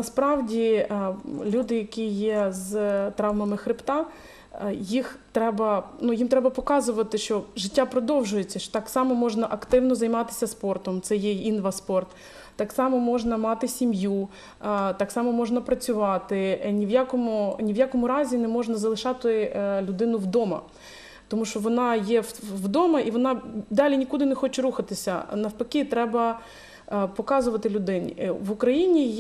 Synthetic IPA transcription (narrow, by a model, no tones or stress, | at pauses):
nɐspɾɑwdʲi | lʲud̪ɪjɐkʲijɛzt̪ɾɑʋmɐmɪxɾʲɪpt̪ɑ | jixt̪ɾɛbɐnujimt̪ɾɛbɐpɔkɑzʊʋɐt̪ɪʃt͡ʃɔʒɪtʲːapɾɔd̪ɔwʒʊjet͡sʲːɐʃt̪ɑksɑmɔmɔʒnɐʔɐkt̪ɪwnɔzɐjmɑt̪ɪ̥sʲɐspɔrt̪ɔmt̪sɛjɛinʋɐspɔrt̪ː | ɑksɑmɔmɔʒnɐmɑt̪ɪsʲimju | t̪ɑksɑmɔmɔʒnɐpɾɐt͡sʲʊʋɑt̪ɪnʲiʋjakɔmʊnʲiʋjakɔmʊɾɑzʲinɛmɔʒnɐzɐlˠɪʃɑt̪ɪlʲʊd̪ɪnʊwd̪ɔmɐ̰ | t̪ɔmuʃɔʋɔnɑjɛʋd̪ɔmɐʔiʋɔnɑd̪ɑlʲinʲikud̪ɪnɛxɔt͡ʃɛɾuxɐt̪ɪsʲɐ̰nɐwpɐkʲit̪ɾɛbɐ | pɔkɑzʊʋɐt̪ɪlʲʊd̪ɪnʲḭʋʊkɾɐjinʲij